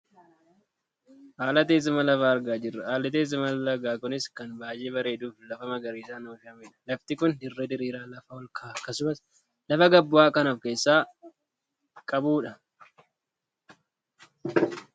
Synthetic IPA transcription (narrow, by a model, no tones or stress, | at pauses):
ʔaːlɐt̪̬eːz̬ɪmɐlɐfaːɐɾɡaːd͡ʒɪrːɐʔaːlɐt̪̬eːsɪmɐlɐɡaːkʊnɪskɐnbaːjeːbɐɾe̞ːd̪uːflɐfɐmɐɡɐɾiːsaːnoːfɪɐmeːᶑɐ̥lɐft̪ɪkʊnd̪ɪrːed̪ɪɾiːɾaːlɐfɐwɔlkʰaːɐkːɐsʊmɐs | lɐfɐɡɐbːʊaːkɐnofke̞ːsːaː | kʼɐbuːᶑɐ